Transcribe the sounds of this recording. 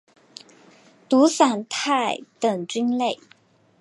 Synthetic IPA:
t̪u˨˧˥sa˨˩nt̪ʰa˥˩ɪt̪ə˨˩ŋt͡ɕy˥nle˥˩ɪ

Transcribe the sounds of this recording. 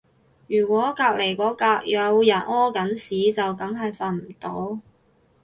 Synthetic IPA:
jyː˨˩kʷɔː˨˥kaː˧k̚le˨˩jkɔː˨˥kaː˧k̚jœː˨˧wjɐ˨˩nɔː˥kɐ˨˥nsiː˨˥t͡sɐ˨wkɐ˨˥ŋɦɐ˨jfaː˧nm̩˨˩t̪o˥w

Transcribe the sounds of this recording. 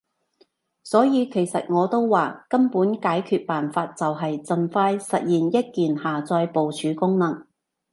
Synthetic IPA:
sɔː˨˥jiː˨˧kʰe˨˩jsɐ̰˨t̚ŋɔː˨˧t̪o˥wwaː˨kɐ˥mpuː˨˥nkaː˨˥jkʰyː˧t̚paː˨nfaː˧t̚t͡sɐ˨wɦɐ˨jt͡sɐ˨nfaː˧jsɐ˨t̚jiː˨˩njɐ˥t̚kiː˨nhaː˨t͡sɔː˧jpo˨wt͡ʃʰyː˨˥kʊ˥ŋnɐ˨˩ŋ

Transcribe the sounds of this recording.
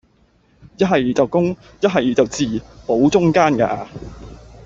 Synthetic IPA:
jɐ˥t̚ɦɐ˨jt͡sɐ˨wkʊ˥ŋ | jɐ˥t̚ɦɐ˨˩jt͡sɐ˨wt͡siː˨po˨˥wt͡sʊ˥ŋkaː˥nka̰ː˧

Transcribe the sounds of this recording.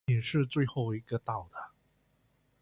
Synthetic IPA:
i˨˩ŋʂɻ̩˥˧t͡swe˥˧ɪxo˥˧ʊi˧˥ɡə˧t̪ɑ˥˩ʊd̪̥ə˩

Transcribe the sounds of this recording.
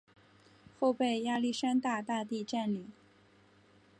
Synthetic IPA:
xo˥˧ʊpe˥˩ɪja˥˧li˥˩ʂa˥nt̪a˥˧t̪a˥˧t̪i˥˧ʈ͡ʂa˥˩nli˨˩˦

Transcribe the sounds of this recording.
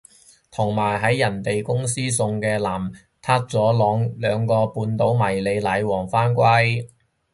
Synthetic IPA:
t̪ʰʊ˨˩ŋmaː˨˩jɦɐ˨˥jːɐ˨˩nt̪e˨jkʊ˥ŋsiː˥sʊ˧ŋkɛː˧laː˨˩m | t̪ʰaː˥t̚t͡sɔː˨˥lɔː˨˥ŋlœː˨˧ŋkɔː˧puː˨˧nt̪o˨˥wmɐ˨˩jle˨˧jlɐ˨˧jwɔː˨˩ŋfaː˥nkʷɐ˥j

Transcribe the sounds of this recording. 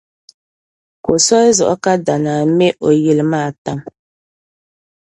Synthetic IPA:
ko˨sɔ˦zʊ̰˨ʔɔ˦ka˦da˨naː˨˦mɛ˦ʔo˨ji˨lmaː˦˨ta˦ŋ

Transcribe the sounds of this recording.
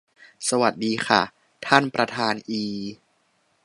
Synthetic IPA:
sa˧wa˨˩t̪̚diː˧xʰa̰˥˩ | t̪ʰa˥˩npɾa˧t̪ʰaː˧nʔiː˧

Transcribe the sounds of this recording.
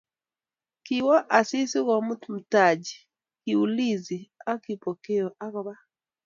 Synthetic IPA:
kiwɔ˦ʔa˨si˦si˦ɣɔ˨mu˦tm̩˨ta˨d͡ʒi˨ | ki˨u˨li˦zi˨a˦ki˨pɔ˨ke˦ɔ˨ʔa˦ɣɔ˦βa˦

